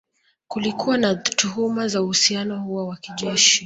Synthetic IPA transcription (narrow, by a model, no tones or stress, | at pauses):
kulikuwanatuhumazauhusianɔhuwawakiʄɛʃi